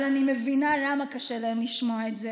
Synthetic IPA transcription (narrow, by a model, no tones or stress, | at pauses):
lanimevinalamakaʃelaemliʃmoaetze